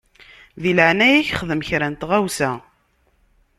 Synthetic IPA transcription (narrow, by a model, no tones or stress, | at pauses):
ðiləʕnæjæçχəðəmçɾænt̪ʁæwsæ